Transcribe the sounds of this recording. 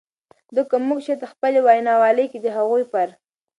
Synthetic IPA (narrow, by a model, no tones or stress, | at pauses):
d̪əkamuɡʃet̪əxpəlewajnɑwɑləjked̪əɦaɣujpaɾ